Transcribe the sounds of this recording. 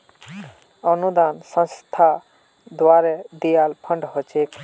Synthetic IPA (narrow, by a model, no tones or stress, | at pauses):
ʌnud̪ansə̃nst̪ʰa | d̪waɾɛd̪ijalpʰəɳɖɦɔt͡ʃʰek